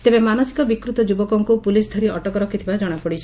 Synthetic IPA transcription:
t̪ebemanɔsi̥kɔbikɾut̪ɔd͡ʒubɔkɔŋkupulisd̪ʱɔɾiɔʈɔkɔɾɔkʰit̪ʰibad͡ʒɔɽ̃apɔɽit͡ʃʰi

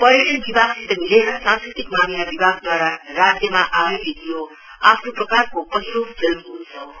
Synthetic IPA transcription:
pʌɾiʈʌnbibʱaɡsit̪ʌmilesãnskrit̪ikmanilabibʱaɡ̚d̪waɾarad͡zjʌmaʔaebit̪ʰijo | apʰnoprʌkarkopʌsiɾobd͡zʌlkunt͡sʰʌ

